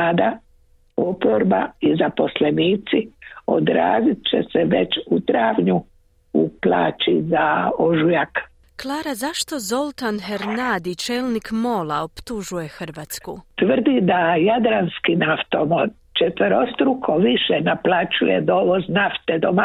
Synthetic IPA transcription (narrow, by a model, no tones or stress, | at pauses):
ad̪a | o̞poɾbaizapo̞sleniːt̪sio̞̰d̪ɾa̰ːzit̪̚t͡ʃḛseʋet͡ʃut̪ɾaːʋɲu | uplaːt͡ʃizaoʒujak | klˠaːɾazaʃt̪o̞zo̞lt̪anxeɾnad̪it͡ʃeːlnikmo̞laopt̪uʒuje̞xr̩ʋaːt̪skut̪ʋər̩d̪id̪ajad̪ɾanskinaft̪o̞mod̪ | t͡ʃet̪ʋəɾost̪ɾukʰoʋiʃenaplˠat͡ʃujed̪oːʋo̞znaft̪ed̪oma